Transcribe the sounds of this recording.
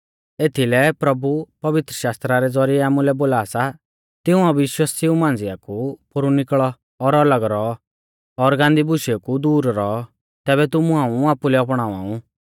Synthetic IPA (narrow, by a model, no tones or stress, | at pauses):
eːt̪ʰilɛpɾɐbupɐʋɪt̪ɾəʃaːst̪ɾaɾɛd͡zɔɾiɛaːmũlɛboːlaːsa | t̪ɪũaʋɪʃwasɪũmãːn̆d͡zɪjakupʊɾunɪkɭɔ | ɔɾɔləɡɾɔɔ | ɔɾɡãːnd̪ibʊʃɛkud̪uːɾɾɔɔ | t̪ɛːβɛt̪ʊmũãːũaːpulɛɔpɽ̃aːʋa̰ːũ